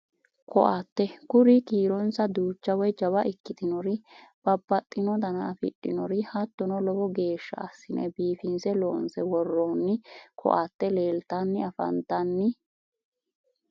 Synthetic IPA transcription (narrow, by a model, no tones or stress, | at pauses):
kɔ̰ʔat̪ːɛkʊɾikiːɾɔnsɐd̪uːt͡ʃːɐwɔjd͡ʒɐbɐʔɪkːɪt̪ɪnɔɾɪb̥ɐbːɐt̪ʼːɪnɔd̪ɐnaːfɪ̰ɗːɪnɔɾɪhɐt̪ːɔnɔlɔbɔɡe̞ːʃːɐ̰ɐsːɪnɛ̰biːfɪnsɛloːnsɛwɔrːoːnːɪkʰɔ̰ʔat̪ːɛleːlt̪anːɪɐfɐ̰nt̪ɐnːɪ